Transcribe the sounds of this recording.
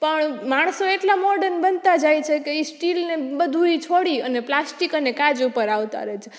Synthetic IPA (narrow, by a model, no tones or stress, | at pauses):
pəɳmaɽ̃soeʈlamɔɾɖəɾnbənt̪ad͡ʒajt͡ʃʰekeisʈilnebəd̪ʱuit͡ʃʰoɽiəneplasʈikənekad͡ʒupəɾaʋt̪a̰ɾəɦet͡ʃʰe